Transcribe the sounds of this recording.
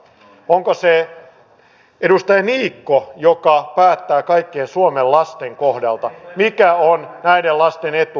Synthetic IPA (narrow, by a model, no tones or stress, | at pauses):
oŋkose | edust̪ɑjɑniːkːojokɑpæːt̪ːæːkɑikːeːnsuomellɑst̪eŋkohdɑlt̪ɑmikæonnæidellɑst̪enet̪u